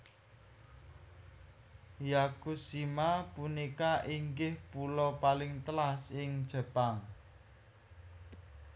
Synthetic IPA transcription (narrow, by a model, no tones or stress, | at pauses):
jakusimapunikaʔiŋɡɪhpulɔpalɪŋt̪əlasɪŋd̥ʒ̥ə̤paŋ